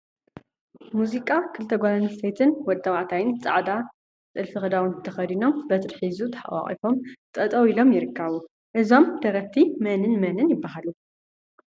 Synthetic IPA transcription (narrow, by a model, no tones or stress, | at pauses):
muzikʼakʰɨlt̪ʰɐɡʷalɐnɐsejt̪ʰɨnwɔd̪ʼːɐwaʕt̪ʰajɪnt͡sʼa̰ʕd̪a | t͡sʼɨlfɨxɨd̪awunt̪ʰɐxɐd̪ino̞mbɐt̪ʼɨɾħizut̪ʰɐ̥ħa̰wa̰χʼḭfo̞mt̪ʼɐt̪ʼɐwilo̞mjɪɾɨkʰːɐβu | ʔɨzo̞md̪̥ɐɾɐft̪ʰimɐnɨnmɐnɨnjɪbːaɦalu